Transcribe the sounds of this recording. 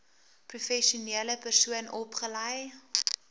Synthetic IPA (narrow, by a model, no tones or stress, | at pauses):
prufɛʃuniələpərsuənɔpχəlɐj